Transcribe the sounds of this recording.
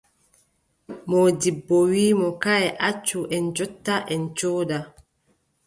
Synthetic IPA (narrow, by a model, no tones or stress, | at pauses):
mɔdibːɔwiːmɔkaɛʔat͡ʃːuʔɛnd͡ʒɔtːaʔɛnt͡ʃoːda